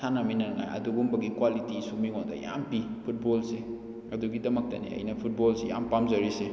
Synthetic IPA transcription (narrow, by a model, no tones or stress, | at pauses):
sanamijnɐɾŋa̰jɐ̰duɡumbɐɡikwalitisumiŋɔnda̰ja̰mpipʰut̚bɔlse | ɐduɡidɐmɐk̚tɐ̰nḭɐ̰jnɐpʰut̚bolseja̰mpamzɐɾise